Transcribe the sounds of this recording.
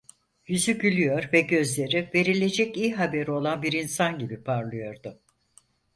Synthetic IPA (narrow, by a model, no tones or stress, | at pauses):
jyzyɟylʲyjo̞ɾvɛɟø̞zlʲe̞ɾive̞ɾilʲe̞d͡ʒɛcijɦabeɾio̞lˠanbiɾinsanɟibipʰaɾlˠɯjo̞ɾd̪ʊ